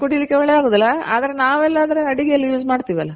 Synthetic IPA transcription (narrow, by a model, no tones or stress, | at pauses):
koʈːilikːeʋɛɭed̪aːɡoːd̪ɐlːɐaːd̪ɐɾenaːʋɛlːaːd̪ɐɾeɐɽiɡejɐlːijuːd͡ʒmaːɖt̪iːʋiɐlːɐ